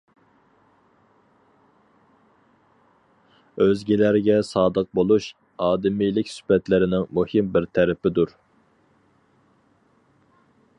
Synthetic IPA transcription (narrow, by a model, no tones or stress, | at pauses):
øzɡʲilæɾɪɡʲɛsɑːd̪əq̚bolˠuʃ | ɑːd̪ɪmijlɪkʲsy̥pɛt̪lɪɾɪnɪŋmuhɪmbɪɾt̪ʰɛɾɪpɪd̪uɾ